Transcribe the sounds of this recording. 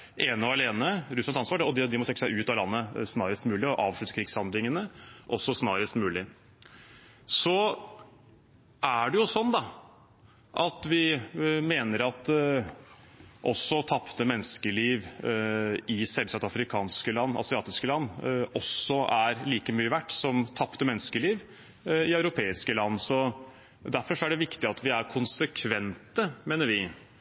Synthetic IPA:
ʔeːnɔɑleːnəɾʉslɑnɑnsʋɑːɖɛɔd̪ɛd̪ɪmɔsɛkːəsæɪʔʉːt̪ɑlɑnːəsnɑːɾəst̪mʉːlɪɔʔɑːʋʂɭʉt̪ə̥kʰɾɪɡshɑnd̪lɪŋənəʔɔsːɔsnɑːɾəst̪mʉːlɪ | sɔ | ʔæɖɛjʊsɔnd̪ɑ | ʔɑt̪ʋɪmeːnəɾɑt̪ | ʔɔsːɔt̪ʰɑpt̪əmɛnːəskəliːʋ | ɪsɛlsɑt̪ɑfɾɪkʰɑːnskəlɑnːɑ̰sɪɑːt̪ɪskəlɑnːɔsːɔæɾliːkəmyːəʋæʈːsɔmt̪ʰɑpt̪əmɛnːəskəliːʋ | ɪœɾʊpʰeːɪskəlɑnːsɔ | d̪æɾfɔʂɔæɖɛʋɪkt̪ɪɑt̪ʋɪæɾkʰʊnsəkʰʋɛnt̪əmeːnəɾʋɪ

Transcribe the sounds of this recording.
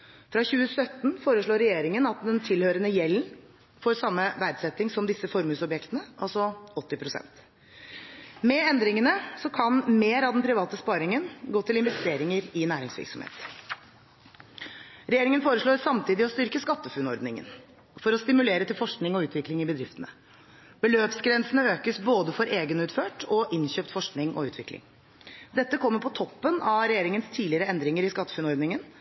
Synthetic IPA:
fɾɑçʉːəsœt̪ːn̩foːɾəʂɭoːɾːɛjeːɾɪŋənɑt̪d̪ɛnt̪ʰɪlhøːɾənəjɛlːən | foːɾsɑmːəʋæɾd̪sɛt̪ːɪŋsɔmd̪ɪsəfɔɾmʉːsɔbjɛkt̪ənəʔɑlsɔɔt̪ːɪpʰɾʊsɛ̰nt̪ | mɛɛnd̪ɾɪŋənəsɔkʰɑnmeːɾɑd̪ɛnpʰɾɪʋɑːt̪əspɑːɾɪŋənɡoːt̪ɪlɪnʋɛst̪eːɾɪŋəɾɪnæːɾɪŋsʋɪ̰ɾksɔmhḛːt̪ | ɾɛjeːɾɪŋənfoːɾəʂɭoːɾsɑmt̪ʰiːd̪ɪɔst̪ʏɾkəskɑt̪ːəfʉnɔɾd̪nɪŋə̰n | fɔɾɔst̪ɪmʉleːɾət̪ɪlfɔʂknɪŋɔʉːt̪ʰʋɪklɪŋɪbəd̪ɾɪft̪ənə | b̥əløːpsɡɾɛnsənəøːkəsboːd̪əfɔɾʔeːɡənʉːt̪føːʈɔʔɪnçøːpt̪fɔʂknɪŋʔɔ̰ʉːt̪ʋɪklɪ̰ŋ | d̪ɛt̪ːəkʰɔmːəɾpʰɔt̪ʰɔpːənɑɾɛjeːɾɪŋənst̪ʰiːlɪəɾəɛnd̪ɾɪŋəɾɪskɑt̪ːə̥fʉnɔɾd̪nɪŋən

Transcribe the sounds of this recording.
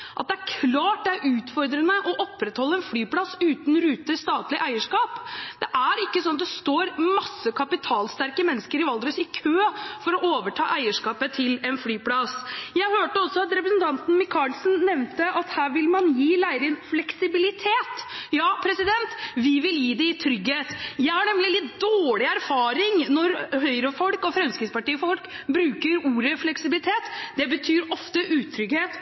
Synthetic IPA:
ʔɑt̪̚d̪ɛæɾkʰlɑːʈ̚d̪ɛæɾʔʉːt̪fɔɾd̪ɾənəʔɔʔɔpːɾɛt̪hɔlːəɛnflyːpʰlɑsʉːt̪n̩ɾʉːt̪əst̪ɑːt̪lɪʔæɪəʂkɑːpd̪̥ɛʔæɾɪkːəsɔnɑt̪d̪ɛst̪oːɾmɑsːəkʰɑpɪt̪ʰɑːlst̪æɾkəmɛnːəskəɾɪʋɑld̪ɾəsɪkʰøːfɔɾɔʔoːʋəʈʰɑ̰ːʔæɪəʂkɑːpət̪ʰɪlɛnflyːpʰlɑsjæɪhøːʈəɔsɔɑt̪ɾɛpɾəsnt̪ʰɑnt̪n̩mɪkʰɑlsn̩nɛʋnt̪əʔɑt̪hæːɾʋɪlmɑnjiːlæɪɾɪənflɛksɪbɪlɪt̪ʰeːt̪jɑːpʰɾɛsɪd̪ɛnt̪ʋɪʋɪljiːd̪ɛɪt̪ʰɾʏɡheːt̪jæɪhɑɳɛmlɪlɪt̪d̪oːlɪæɾfɑːɾɪŋnɔɾhœʏɾəfɔlkɔfɾɛmskɾɪːspɑʈiːfɔlkbɾʉːkəɾuːɾəflɛksɪbɪlɪt̪ʰeːt̪d̪̥ɛbət̪ʰyːɾɔft̪əʔʉːt̪ʰɾʏɡheːt̪

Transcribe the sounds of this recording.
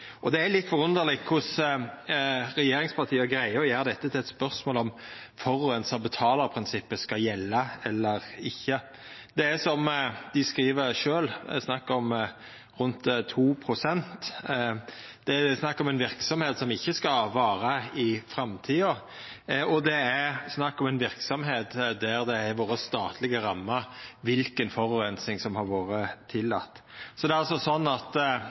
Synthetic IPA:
ʔɔd̪ɛælɪt̪ːfɔʁʉnəɾlɪkʰʊs | ɾɛjeːɾɪŋspʰɑʁt̪ʰiːəɡɾæɪəjeːɾd̪ɛt̪ːət̪ɪlɛt̪spœɾsmoːlɔmfɔɾʉənsɑbət̪ʰɑːləɾpʰɾɪnsɪpːəskɑjɛlːəɛlːəɾɪçːə | d̪ɛæsɔmd̪̥ɪskɾiːʋəɾʂøːlsnɑkːɔm | ɾʉnt̪t̪ʰːuːpʰɾʊsɛnt̪ | d̪̥ɛsnɑkːɔmɛnʋɪɾksɔmheːt̪sɔmɪçːəskɑʋɑːɾəɪfɾɛmt̪ʰiːɔɾ | ɔd̪ɛæsnɑkːɔmɛnʋɪɾksɔmɦeːt̪d̪æɾd̪ɛæɾʋoːɾəst̪ɑːt̪ʰlɪɡəɾɑmːəɾʋɪlkənfɔɾʉːɾɛnsɪŋsɔmhɑɾʋoːɾət̪ʰɪlːɑ̰t̪ːsɔd̪ɛɾɑlsɔsɔnːɑt̪

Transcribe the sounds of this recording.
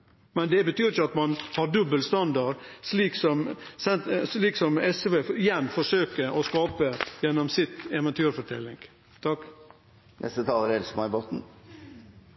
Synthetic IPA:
mɛnd̪ɛbət̪ʰyːɾɪçəɑt̪mɑnhɑɾɖʉbːəlst̪ɑnd̪ɑɾʂliːksɔmsɛsliːksɔmɛsʋeɪjɛnːfɔʂøːkəʔɔskɑːpəjɛnːɔmsɪt̪ɛʋɛnt̪ʰyːɾfɔʈʰɛlːɪŋɡ | t̪ʰɑk | nʔɛ̰st̪ət̪ʰɑːləɾɛlsmɑɪbɔt̪n̩

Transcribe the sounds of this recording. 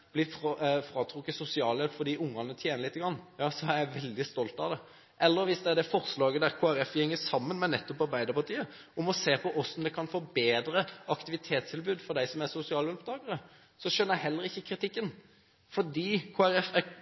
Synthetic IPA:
b̥lɪffɾɑːt̪ʰɾʊkːəsʊsɪɑːljɛlpfɔɾd̪iːʔʊŋːɑŋnət̪ʰjeːnəlɪt̪ːəɡɾɑnːjɑːsɔæjæɪʋɛld̪ɪst̪ɔlt̪ɑʋd̪ɛ | ʔɛlːəɾʋɪsd̪ɛd̪ɛfɔɾslɑːɡəd̪æɾkʰoːæɾɛfːhɛŋːəsɑmːənmɛnɛt̪ːʊpɑɾbæɪd̪əpɑt̪ʰiːə | ʊmɔseːpʰɔʔɔsɔmd̪ɛkʰɑnfɔːbeːd̪ɾəɑkt̪ɪʋɪt̪ʰeːt̪st̪ʰɪlbʉːd̪fɔɾd̪æɪsɔmæɾsʊsɪɑːljɛlpd̪ɑːɡəɾə | sɔʃœnəæɪɦɛlːəɾɪçːəkʰɾɪt̪ɪkːən | fɔɾd̪iːkʰoːæɾɛfæɾ

